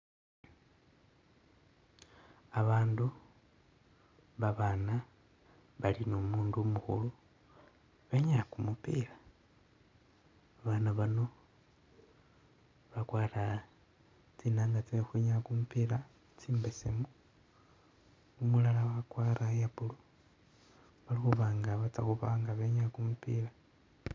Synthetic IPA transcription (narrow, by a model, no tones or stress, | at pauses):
aβaːndu | βaβaːna | βalinomuːndumuxṵlu | βeɲakumupiːla | βanaβano | βakwaːɾa | t͡sinaːŋɡat͡sexweɲakumupila | t͡siːmbesemu | umulalawakwaːɾajaβulu | βalixuβaːŋɡaβat͡saxuβaːŋɡaβeɲakumupiːla